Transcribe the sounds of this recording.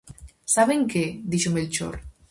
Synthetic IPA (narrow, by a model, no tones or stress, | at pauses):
saβeŋked̪iʃomelt͡ʃo̰ɾ